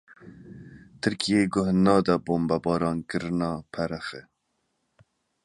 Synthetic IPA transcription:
t̪ʰɨɾkʰijeːɡʊhnɑːd̪ɑboːmbɑbɑːɾɑːnkɨɾɨnɑːpʰɛɾɛxɛ

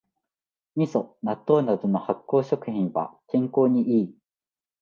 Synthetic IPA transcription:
ɲ̟iso̞nat̪ːo̞ːnad̪o̞no̞hakːo̞ːɕo̞kɯ̟çĩɰ̃βa̰kẽ̞ŋko̞ːɲ̟iʔiː

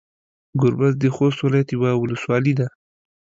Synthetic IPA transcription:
ɡʊɾbazd̪əxost̪wɪlɑjat̪jiwawʊləswɑlid̪a

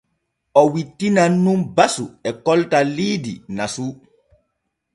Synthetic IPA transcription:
ɔwitːinanːumbasuɛkɔltaliːdinasu

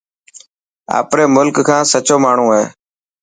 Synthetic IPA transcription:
a̰ːpɾeːmʊlkkʰãːsət͡ʃoːmaːɳ̤ũːeː

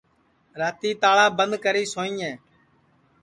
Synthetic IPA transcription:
ɾaːt̪iːt̪aːɭaːbənd̪kəɾiːsoːĩːɛ̃ː

